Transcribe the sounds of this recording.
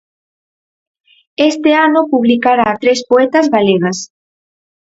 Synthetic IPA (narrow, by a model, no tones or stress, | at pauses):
est̪ɪanʊpuβlikaɾaːt̪ɾespoɛt̪azɣaleɣas